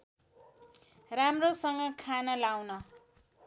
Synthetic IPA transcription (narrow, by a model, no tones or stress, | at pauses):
ramrosʌŋɡʌkʰanʌlawnʌ